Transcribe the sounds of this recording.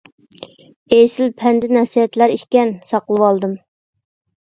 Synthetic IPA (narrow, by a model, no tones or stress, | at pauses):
ejsɪlpʰɛnd̪ɪnɛsiɛt̪læɾikʲkʲɛnsɑqlˠɨwɑlˠd̪ɨm